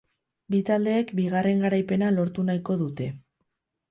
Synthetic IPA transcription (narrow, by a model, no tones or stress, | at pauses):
bit̪ald̪e̞ːkbiɣ̞are̞ŋɡaɾajpe̞nalo̞ɾt̪unajko̞ðut̪e̞